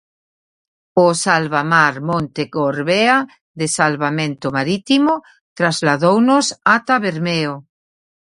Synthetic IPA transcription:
osalβamaɾmõnt̪ekoɾβea | ðesalβamẽnt̪omaɾit̪imo | t̪ɾazlaðownosat̪aβeɾmeo

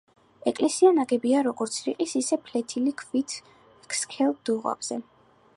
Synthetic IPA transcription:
ɛkʼlɛsianaɡɛbiaɾɔɡɔɾt̪sʰɾiqʼisisɛpʰlɛt̪ʰilikʰvit̪ʰ | kskʰɛlˠd̪̥uʁa̰bz̥ɛ

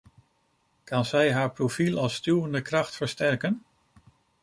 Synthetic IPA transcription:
kɑnzɛjɦaːɹprofilˠɑlˠstywəndəkrɑχtfəɹstɛɹkən

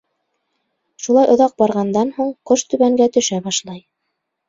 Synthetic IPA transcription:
ʃulˠɑjŏðɑq̚bɑɾʁɑnd̪ɑnhuɴqoʃt̪ɵ̆βæŋɡæt̪ɵ̆ʃæbɑʃlˠɑj

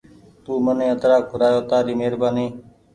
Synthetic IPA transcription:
t̪uːmənẽːət̪ɾaːkʰʊɾaːjoːt̪aːɾiːmeːɾbaːniː

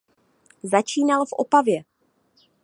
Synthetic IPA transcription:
zat͡ʃiːnalfʔopavjɛ

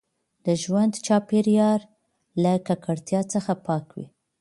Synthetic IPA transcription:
d̪̥əʒwand̪t͡ʃɑpeɾjɑɾ | lakakaɽt̪jɑt͡səxapɑkwḭ

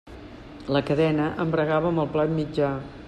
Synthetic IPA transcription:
ləkəðɛnəʔəmbɾəɣaβəːməlˠplat̪mid͡ʒa

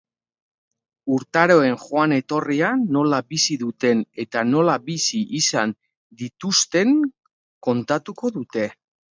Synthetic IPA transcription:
uɾt̪aɾo̞e̞ŋʝoane̞t̪o̞riano̞labisiðut̪e̞ne̞t̪ano̞labisiʔisan | d̪it̪ust̪e̞ŋ | ko̞nt̪at̪uko̞ðut̪e̞

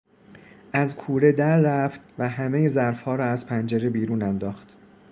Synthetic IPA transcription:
ʔæzkʰuːɾe̞d̪æɾːæft̪væɦæme̞jezæɾfhɒːɾɒːæzpʰænd͡ʒæɾe̞biːɾuːnænd̪ɒːxt̪

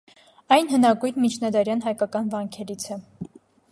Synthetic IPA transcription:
ɑjnɦənɑkujnmit͡ʃʰnɑd̪ɑɾjɑnɦɑjkɑkɑnvɑŋkʰɛɾit͡sʰɛ

